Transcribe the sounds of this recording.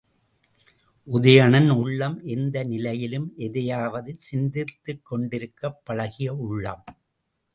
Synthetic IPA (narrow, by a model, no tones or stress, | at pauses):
ʔʊðɐjɐɳɐnʊɭːɐmʔɛnd̪ɐnɪlɐjɪlɯmʔɛðɐjaːʋɐðɯsɪnd̪ɪt̪ːɯkːɔɳɖɪɾɯkːɐpːɐɻɐɣɪjɐʊɭːɐ̰m